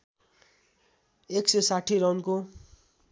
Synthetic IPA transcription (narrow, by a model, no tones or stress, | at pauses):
eksesaʈʰːiɾʌwnko